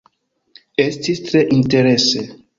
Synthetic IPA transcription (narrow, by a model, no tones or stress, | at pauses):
estistɾeʔinteɾese